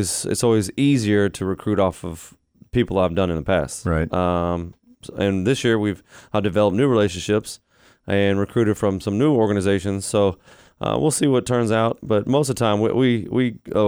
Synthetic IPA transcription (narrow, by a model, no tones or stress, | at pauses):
izɪ̰tsɔlˠwiziziə˞ɾɨɹɨkʰɹ̥ʉɾɔfʌv̥ | pipl̩ˠaɪvdʌ̃nɨ̃nðəpʰæstɹaɪtʌ̃ | ɨ̃nðɪsjɪɹwiv̥ədɨvɛlˠəp̚nʉɹileɪʃɨ̃n̩ʃɪps | ʔɨ̃nɹɨkʰɹ̥ʉɾɨd̥fɹʌ̃msʌ̃mnʉɔɹɡɨnɨzeɪʃɨ̃nz̥soʊ | ʔʌ̰wḭlˠsiwʌtʰɜ̃˞nzaʊt̚b̥ʌt̚moʊstʌv̥tʰãɪ̃mw̰ʔwiwi